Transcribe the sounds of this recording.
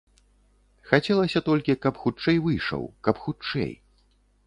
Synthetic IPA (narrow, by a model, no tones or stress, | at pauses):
xat͡sʲɛlˠɐsʲɐt̪ɔlʲkʲikɐpxut͡ʂɛjvɨjʂɐ̰wkɐpxut͡ʂɛ̰j